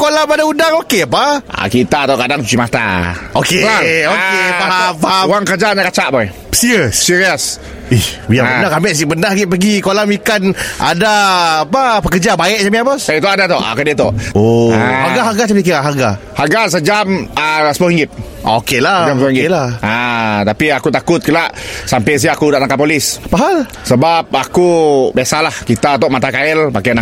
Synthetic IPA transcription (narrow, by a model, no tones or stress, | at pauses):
kolamadaudaŋokeapaa̰kit̪at̪akadaŋt͡ʃut͡ʃimat̪a̰okeokepaapaauwaŋkəd͡ʒaɲakat͡ʃaʔba | siəːiɹiəs | ihbijaəbnakamɛʔsiʔbəndahɡiʔpəɡikolamikanʔa̰daːpapəkəd͡ʒabaɪʔd͡ʒamiapɔset̪oʔadat̪ɔ̰ʔa̰kədet̪ɔ̰ʔoɦaɡaɦaɡasabikiaɦaɡa | haɡas̬əd͡ʒaməsəmohiŋɡɪp̚ | ʔokelad͡ʒamsiŋɡilaat̪apiakut̪akʊt̪̚kəlaʔsampɛs̬iakudaʔlaŋkapolɪspaɦal | səbap̚akubjasalahkit̪at̪ɔʔmat̪akailpakana